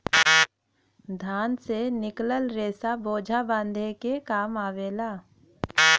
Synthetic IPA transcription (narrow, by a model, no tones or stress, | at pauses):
d̪ʱaːnsenɪkləlɾeːsaboːd͡ʒʱabãːnd̪ʱekekaːmaːʋeːlaː